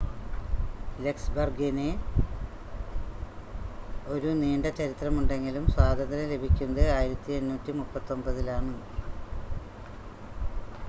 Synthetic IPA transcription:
le̞ksbɐrɡine | o̞ɾuneːɳɖɐt͡ɕɐɾit̪rɐmuɳɖe̞ŋɡilumswaːd̪ʱɐnd̪ɐɾɐle̞bʱikʲːunːɐðɨaːjiɾɐt̪ːie̞nnuːtːimupːɐt̪ːo̞mbɐðilaːɳɨ

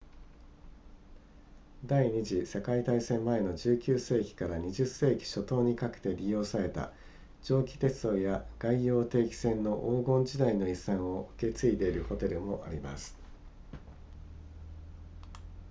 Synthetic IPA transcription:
d̪aiɲ̟iʑise̞kait̪aisẽ̞mːae̞no̞d͡ʑɨːkʲɨːse̞ːkʲi̥kaɾaɲ̟iʑɨse̞ːkʲi̥ɕo̞t̪o̞ːɲ̟ikakɯ̟̥t̪e̞ɾʲijo̞ːsaɾe̞t̪a̰ | d͡ʑo̞ːkʲi̥t̪e̞t͡sɨo̞ːjaɡ̥aijo̞ːt̪e̞ːkʲi̥sẽ̞nːo̞ʔoːɡõ̞ɲd͡ʑid̪aino̞isãɰ̃o̞ɯ̟̥ke̞t͡sɨid̪e̞iɾɯ̟ho̞t̪e̞ɾɯ̟mo̞ʔaɾʲima̰sɨ̥

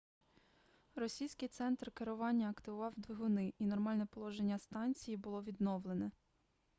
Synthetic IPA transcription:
rɔsʲijsʲkɪjt̪sɛnt̪rkeɾʊʋɑnʲːɐɐkt̪ɪʋʊʋɑwd̪ʋʲiɦʊnɪʔinɔrmɑlʲnɛpɔlˠɔʒenʲːɐst̪ɑnʲt͡sʲijibʊlˠɔʋʲid̪nɔʋlˠenɛ

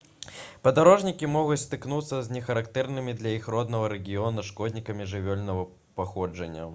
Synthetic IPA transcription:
pɐd̪aɾɔʐnʲikʲimɔɣut͡sʲst̪ɨknut̪sːɐzʲnʲɛxɐɾakt̪ɛrnɨmʲid̪lʲɐixrɔd̪nɐvɐɾɛɡʲijɔnɐʂkɔd̪ʲnʲikɐmʲiʐɨvʲɔlʲnɐvɐ | paxɔd͡ʐɐnʲːɐ̰

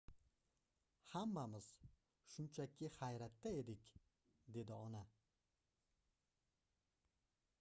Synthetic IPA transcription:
hamːamɪz̥ | ʃʊnt͡ʃʰakʲʰɪhajɾat̪ːae̞d̪ɪkʲ | d̪e̞d̪ɪɒna

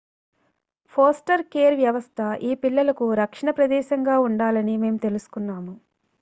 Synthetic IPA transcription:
pʰoːsʈɐɾkeːɾʋjɐʋɐst̪ʰɐʔiːpilːɐlɐkuɾɐkʂɐɳɐpɾɐd̪ɛːʃɐŋɡaːuɳɖaːlɐnime̞ːmut̪e̞lusu̥kunːaːmu

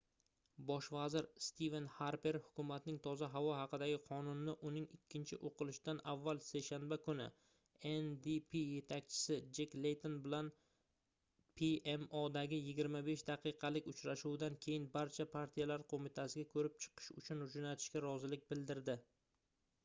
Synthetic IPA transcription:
bɒʃvazɪɾst̪ʰive̞nhaɾpe̞ɾhʊ̥kʲʰʊmat̪nɪŋt̪ʰɒzaɦavɒɦɑqɨd̪aɡʲɪqʰɒnʊnɪːɪʔʊnɪŋɪkʲʰːɪnt͡ʃʰɪʔoqʰɨlˠɪʃd̪anavːalseʃanbakʰʊnɪ̰ | end̪ipʰije̞t̪ʰak̚ʲt͡ʃʰɪ̥sɪd͡ʒeklejt̪ʰonbɪlan | pʰiemod̪aɡʲɪjɪɡʲɪɾmabeʃd̪ɑqʰɨqʰɑlɪkʲʊt͡ʃɾaʃuwd̪ankʲʰe̞jɪnbaɾt͡ʃʰapʰaɾt̪ʰijalaɾqʰomɪt̪ʰasɪɡʲakʰɵɾɪp̚t͡ʃʰɨ̥qʰɨ̥ʃʊt͡ʃʰʊnʊd͡ʒonat̪ʰɪ̥ʃkʲaɾɒzɪlɪk̚ʲbɪld̪ɪɾd̪ɪ

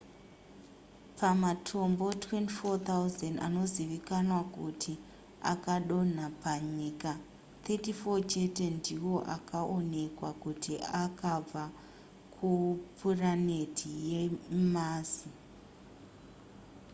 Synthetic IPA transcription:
pamatʰo̞mbo̞twe̞ntifot̪auzanda̰no̞ziʋikanwakutʰi | a̰kaɗo̞n̤apaɲiːka | t̪ʰetifo̞t͡ʃete̞ndiwo̞ʔa̰kaʔone̞kwakutiakab͡va | kʰupʰurane̞tʰijemaːzi

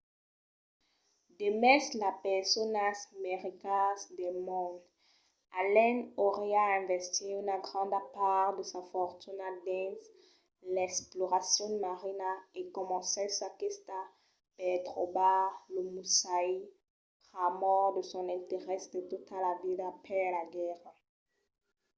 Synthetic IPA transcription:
d̪emɛslapɛsɔnasmeʁikasd̪ɛmɔ̃d̪ | alɛnoʁeaɛ̃vɛst̪iynaɡʁɑ̃d̪apaʁd̪əsafɔʁt̪ynad̪ɛ̃s | lɛksplɔʁasjɔ̃maʁinaekɔmɑ̃sesakist̪a | pɛt̪ʁobalomusai | pʁamɔʁd̪əsɔ̃nɛ̃t̪eʁɛsd̪ət̪ut̪alavidapɛlaɡɛʁa

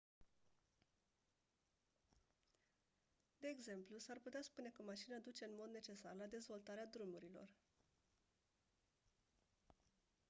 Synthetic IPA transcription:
d̪e̞ːɡze̞mplusarput̪easpune̞kəmaʃinad̪ut͡ʃe̞ɨnmo̞d̪ne̞t͡ʃe̞sarlad̪e̞zvo̞lt̪aɾead̪ɾumuɾilo̞̰r

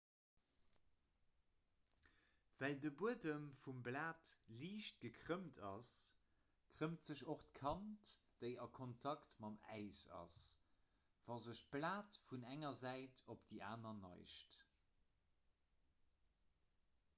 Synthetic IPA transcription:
vældəbuədəmfumblaːtliːʃt̚ɡ̥əkʰʁəmtʰɑs | kʀəmtz̥əɕoχtkʰɑntd̥əɪɑkʰontʰɑktmɑmæ̰ɪsɑ̰s | v̥ɑzəʃt̚b̥laːtfunæŋɐzæɪtʰopd̥iʔaːnɐnɑ̰ɪʃt

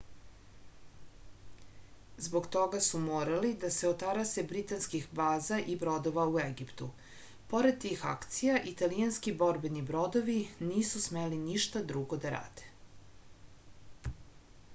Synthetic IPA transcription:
zbo̞ɡt̪o̞ɡasumoːɾalid̪aseot̪aɾase̞bɾit̪anskixbaːzaʔibɾo̞d̪oʋaueɡipt̪u | po̞ɾed̪̚t̪ixa̰kt̪sijaʔit̪alijanskibo̞ɾbenibɾo̞d̪oʋiniːsusmeliniʃt̪ad̪ɾuɡod̪aɾa̰ːd̪̥e̥

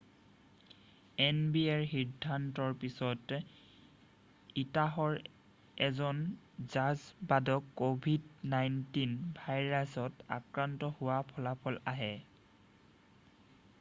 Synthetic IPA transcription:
ɛnbiɛɹxidʱːantɔɹpisɔt | itaɦɔɹ | ɛzɔn | zazbadɔkːobʱidnajntinbʱajɹasɔta̰kɹantɔhʊwapʰɔlapʰɔlaɦɛ

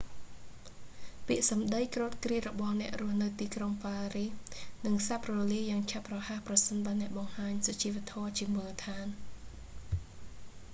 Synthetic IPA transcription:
piəʔsɑmɗəjkroːt̪̚kriət̪rɔɓɑhnɛ̆əʔrʊəhnɨwt̪iːkroŋpaːrihnɨŋsap̚rɔːliəjːaːŋt͡ɕʰaprɑhahprɑsənɓaənɛ̆əʔɓɑŋhaːɲsat͡ɕiːʋɛ̆ət̪ʰɔət͡ɕiəmulət̪ʰaːn

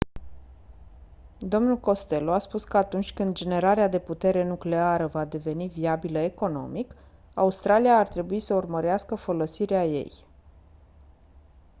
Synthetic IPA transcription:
d̪o̞mnulko̞st̪e̞loaspuskəat̪unt͡ʃʲkɨnd̪̚d͡ʒe̞ne̞ɾaɾead̪e̞put̪e̞ɾe̞nukle̞aɾəvad̪e̞ve̞niviabiləe̞ko̞no̞̰mik | a̰ust̪ɾalijaːrt̪ɾe̞buisəurməɾeaskəfo̞lo̞siɾeaje̞̰j

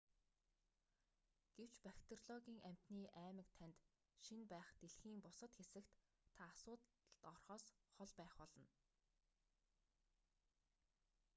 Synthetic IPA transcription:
ɡ̥ew̥t͡ɕpakʲt̪̆ʰrɮɔɣʲiːŋæm̥ʲt̪niːʔæːmɘ̆k̚t̪ʰænt̪ | ʃinpæːχt̪eɮxiːŋpʊsə̆t̪xesɘ̆kt̪ʰː | aːsʊːt̪ | ə̆t̪ɔrχɔːsχɔɮpæːχpɔɮɞ̆n

